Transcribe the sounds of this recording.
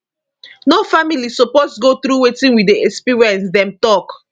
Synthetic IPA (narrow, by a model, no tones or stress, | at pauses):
nofamilisoposɡoθɾuwetĩnwideɛkspiɹiɛ̃nsdɛ̃mtɔk